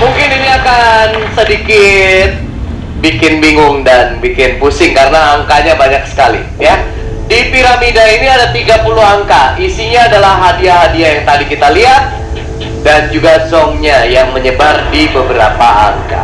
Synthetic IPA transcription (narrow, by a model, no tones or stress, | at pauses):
muŋkɪniniakansədikɪt̪̚ | bikɪnbiŋʊŋdanbikɪnpusɪŋkaɾənaːŋkaɲabaɲak̚sə̥kalḭ | ja | dipiɾamidainiadat̪iɡapuluɦaŋkaisiɲaːdalahɦːadiaɦadiajaŋt̪adikit̪aliɦat̪̚ | dand͡ʒuɡasɔŋɲajaŋməɲəbardibəbəɾa̰paa̰ŋka̰